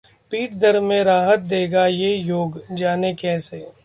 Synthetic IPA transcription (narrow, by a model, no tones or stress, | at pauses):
piːʈd̪əɾmẽɾaːɦət̪̚d̪eːɡajejoːɡd͡ʒaːnekɛːseː